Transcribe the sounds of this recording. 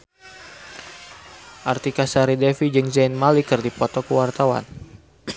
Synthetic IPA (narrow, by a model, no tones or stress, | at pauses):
ʔart̪ikasaɾidɛfid͡ʒɨŋzainmalikɨrdipɔt̪ɔkəwart̪awa̰n